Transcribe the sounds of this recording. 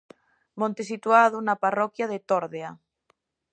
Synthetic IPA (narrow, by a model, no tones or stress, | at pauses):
mõnt̪esit̪uaðunaparɔkjaðet̪oɾðea